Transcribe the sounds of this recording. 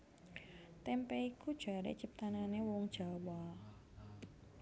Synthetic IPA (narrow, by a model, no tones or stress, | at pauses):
t̪ɛmpɛikud̥ʒ̥a̤ɾḛt͡ʃip̚t̪ananewɔŋd̥ʒ̥a̤wa